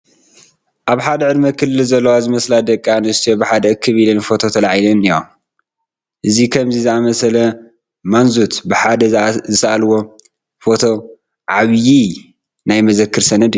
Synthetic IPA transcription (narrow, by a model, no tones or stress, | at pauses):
ʔaβħad̪ɐʕɨd̪mɐkʰɨlːɨlzɐlːɐwazɨmɐslad̪ɐkʼːanɨst̪ijobɨħad̪ɐɨkʰːɨβilɨnfo̞t̪ʰo̞t̪ʰɐlaʕjlɐnijom | ʔɨzikʰɐmzizɨamɐsɐlɐ | manzut̪bɨħad̪ɐzɨsɐʔalwo̞ | fo̞t̪ʰo̞ | ʕaβji | najmɐzɐkʰːɨɾsɐnɐd̪i